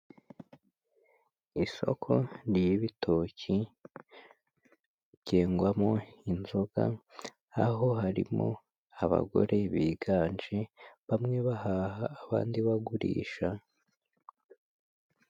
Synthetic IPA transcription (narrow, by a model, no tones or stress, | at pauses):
iso̞̰kʰo̞ɾjiβitʰocʰi | ɟeːŋɡwamo̞inzo̞ɡa̰ | aɦo̞haɾḭmo̰ | aβa̰ɡo̞̰ɾʔe̞βiːɡaːnd͡ʒeβamŋe̞βahaːhaːβa̰ːndiβaɡuɾḭːʃa